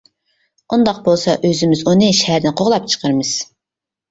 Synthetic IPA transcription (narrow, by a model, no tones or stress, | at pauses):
und̪ɑq̚bolˠsɑʔøzɪmɪzunɨʃɛɦæɾd̪ɪnqʰoʁlˠɑp̚t͡ʃʰə̥qʰəɾmɨz̥